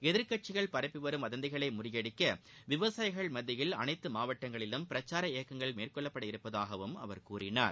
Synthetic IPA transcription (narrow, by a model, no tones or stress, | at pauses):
ɛðɪɾkɐʈ̚t͡ʃɪɣɐɭpɐɾɐpːɯʋɐɾɯmʋɐðɐnd̪ɪɣɐɭɐɪmʊrɪjɐɽɪkːɐʋɪʋɐsaːjɣɐɭmɐðːɪjɪlɐ̰nɐɪt̪ːɯmaːʋɐʈːɐŋɡɐɭɪlɯmpɪɾɐt͡ʃːaːɾɐeːkːɐŋɡɐɭmeːrkɔɭːɐpːɐɽɐɪɾɯpːɐðaːɣɐʋɯmɐ̰ʋɐɾkuːrɪna̰ːɾ